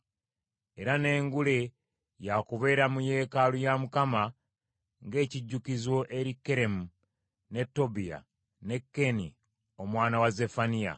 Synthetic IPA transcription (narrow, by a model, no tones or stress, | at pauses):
e̞ɾane̞ːŋɡule̞ | jakuβe̞ːɾamuje̞ːkalujamukama | ŋɡe̞ːciɟːukizwo̞ʔe̞ɾikːe̞ɾe̞mu | ne̞tːo̞bija̰ | ne̞kːe̞nḭ | o̞mwaːnawaze̞fanija̰